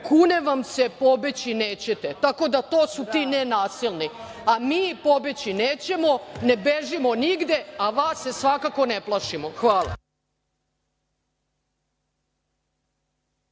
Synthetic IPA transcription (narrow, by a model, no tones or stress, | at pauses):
kuːneʋamse̞po̞bet͡ɕineːt͡ɕet̪et̪ako̞d̪at̪o̞ːsut̪iːnenaːsilˠni | amiːpo̞bet͡ɕineːt͡ɕe̞mo̞ne̞beʒimo̞niɡd̪eaʋaːsːesʋakako̞neplˠaʃimoxʋaːla̰